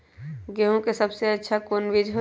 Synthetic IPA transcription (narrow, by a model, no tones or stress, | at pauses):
ɡeɦũkesəbseətːʃʰakoːnʋid͡ʒʱɦo